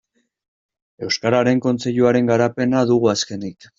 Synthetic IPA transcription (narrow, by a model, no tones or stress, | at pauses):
e̞wskaɾaɾe̞ŋko̞nt͡se̞ʎuaɾe̞ŋɡaɾape̞naðuɣuaske̞nik